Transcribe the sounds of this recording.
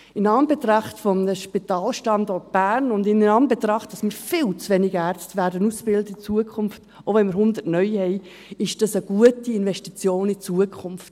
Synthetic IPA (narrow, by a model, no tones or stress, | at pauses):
ɪnɑːmbɛtɾɑχtfɔmnəʃpitɑːlʃtɑndɔɹt̚b̥æːɾnʊndɪnnɑːmbɛt̪ɾɑχt̚d̥ɑsmɪːɾfɪlt͡sʋɛnɪɡæːɾt͡stʋæːɾdənusfɪltit͡suəkʰχʊnft | ovɛnmɪːɾhʊnd̪ətnœʏhɛɪ | ɪʃd̥ɑsəɡ̥uətiɪnvɛʃtit͡sjoːnit͡suəkʰχʊmft